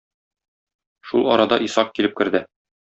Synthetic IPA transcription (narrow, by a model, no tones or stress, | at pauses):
ʃulˠɒ̰ɾɑd̪ɑʔisɑq̚kilɘp̚kɘ̆ɾd̪ɘ